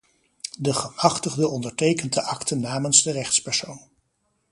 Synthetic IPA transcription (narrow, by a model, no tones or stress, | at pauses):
dəχəmɑχtəχdəɔndəɹtejkəndəʔɑktənːaːmənzdərɛχtspɛɹsown